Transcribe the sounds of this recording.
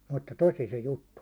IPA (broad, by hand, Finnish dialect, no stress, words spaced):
mutːɑ tosi se jutːu